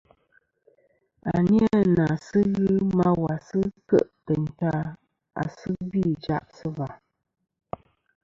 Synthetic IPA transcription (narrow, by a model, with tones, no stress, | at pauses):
a̰˨ni˦a˦˨na˨sɨ˦ɣɨ˦ma˦wa˨sɨ˦kə̰˦˨ʔtə˨n̩˨ta˦ | a̰˨sɨ˦bi˦˨d͡ʒa̰˦ʔsɨ˦va˨